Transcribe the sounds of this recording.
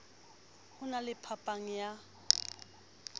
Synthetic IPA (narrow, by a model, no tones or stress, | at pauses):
hʊnalɪpʰapʼaŋ̩ja